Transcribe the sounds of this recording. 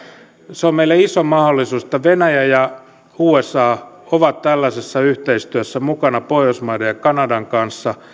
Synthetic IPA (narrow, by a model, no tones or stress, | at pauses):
seommeilːæisomɑholːisuːsĕ̥t̪ːæʋenæjæjɑ | uːesɑːoʋɑt̪t̪ælːæsesːɑyht̪eist̪yæsːæmukɑnɑpoiosmɑidejɑkɑnɑdɑŋkɑnsːɑ